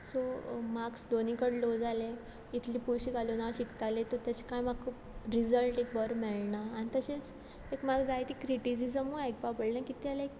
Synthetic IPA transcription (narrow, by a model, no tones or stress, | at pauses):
somaksd̪onikəɽlod͡zale | it̪ʰliːpuɾɕiɡalonaɕikt̪alet̪ɔɾt̪jat͡ɕe̥kajmaɡkʰupɾid͡zəlʈek̚bəɾmɛɭnaːnit̪əɕet͡s | ekmaɡd͡zajt̪ikɾiʈisisəmujajk̚papəɽnakit̪ialek̚